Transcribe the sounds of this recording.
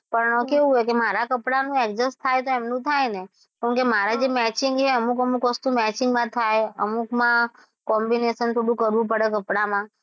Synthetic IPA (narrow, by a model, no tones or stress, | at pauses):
pəɾnə̃keʋũɦekemaɾakəpɽanũɛkd͡ʒəst̪ʰajt̪oemnũt̪ʰajne | kũkemaɾad͡ʒemɛt͡ʃɪŋɡt͡ʃeəmukəmukʋəst̪umɛt͡ʃɪŋɡmãt̪ʰajəmukmã | kɔmbinesənt̪ʰoɽũkəɾʋũpəɽekəpɽamã